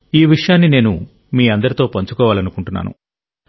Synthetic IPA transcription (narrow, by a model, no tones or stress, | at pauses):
iːʋiʂɐjaːnːine̞ːnṵ | miːɐnd̪ɐɾit̪o̞ːpɐɲt͡ʃukɔːʋaːlɐnukuɳʈunːa̰ːnṵ